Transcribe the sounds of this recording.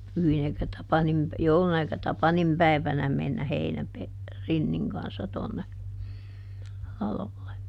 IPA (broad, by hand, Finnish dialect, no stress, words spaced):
pyhinæ eikæ tɑpɑnim pæ joulunɑ eikæ tɑpɑnim pæi̯ʋænæ menːæ heinæpe rinːiŋ kɑnsːɑ tonːe lɑlolːe